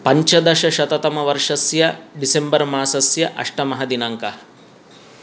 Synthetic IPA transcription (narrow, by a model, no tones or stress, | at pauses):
pɐɲt͡ʃɐd̪ɐʃɐʃɐt̪ɐt̪ɐmɐʋɐɾʂɐsjɐɖisembɐɾmaːsɐsjɐʔɐ̰ʂʈɐmɐɦɐd̪inɐŋkɐ